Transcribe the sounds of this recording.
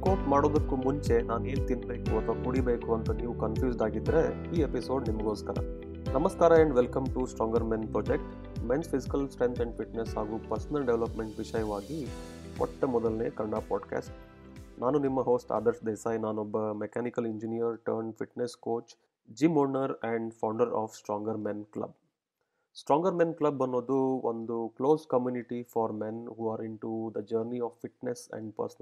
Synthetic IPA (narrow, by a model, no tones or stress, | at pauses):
koːʈmaːɽoːd̪ɐkːumuɲt͡ʃe̞naːnue̞ːnt̪inbeːkuɐt̪ʰʋaːkuɽibeːkuɐnt̪ɐniːʋukɐnpʰjuːsɖaːɡid̪ɾeiːepiso̞ːɖnimɐɡoːskɐɾɐ̰ | nɐmɐskaːɾɐeɳɖʋelkɐmʈusʈɾɔːŋɡɐɾmenpɾoːd͡ʒek̚ʈ | menspʰisikɐlsʈɾent̪ʰɐɳɖfʰiʈnesɦaːɡuːpɐɾsɐnɐlɖeʋlɐpmeɳʈʋiʃɐjɐʋaːɡiɔ̰ʈːɐmɔd̪ɐlnḛːkɐɳɖaːpaːɖka̰ːsʈnʔaːnunimːɐɦoːsʈa̰ːd̪ɐɾsd̪eːsaːjnaːnɔbːɐmekaːnikɐliɲd͡ʒinijɐɾʈɐɾɳfiʈneskoːt͡ʃ | d͡ʒimoːɾnɐɾɛ̃ɳɖfʰawɳɖɐɾa̰ːfsʈɾɔːŋɡɐɾmenklɐ̰b̚ | sʈɾɔːŋɡɐɾmẽnklɐbɐnːoːd̪uʔond̪ukloːskɐmjuːniʈifɔːɾmenɦuːaːɾiɳʈud̪ɐd͡ʒɐɾniaːffiʈnesɛ̰̃ɳɖpɐ̰ɾsɐnɐ